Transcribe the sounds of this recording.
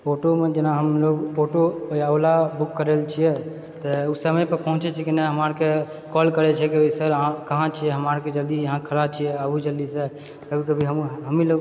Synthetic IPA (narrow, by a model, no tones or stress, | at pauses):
poʈomed͡ʒənaɦəmloɡpoʈopəjawlabukːəɾelt͡ʃʰijɛ | t̪usəməjpəɾpəɦũt͡ʃɛt͡ʃʰikineɦəmaɾke | kɔlkəɾɛt͡ʃʰɛkioisəɾãkəɦãt͡ʃʰijɛɦəmaɾked͡ʒəld̪ijəɦãkʰəɾab̚t͡ʃʰijɛabud͡ʒəld̪ise | kəbʱikəbʱiɦəmɦəmiloɡ